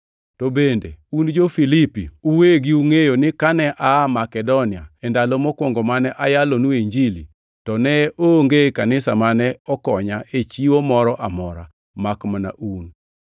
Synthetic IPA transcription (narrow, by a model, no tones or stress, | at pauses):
tobendḛund͡ʒofilipḭuweɡiuŋejonɪkanɛʔamakɛdɔnɪaɛndalomɔkwoŋɡomanɛʔajalonueɲd͡ʒili | tɔnɛʔoŋɡekanɪsamanɛɔkɔɲaʔet͡ʃiwomɔɾɔʔamɔɾa | makmana̰ʔun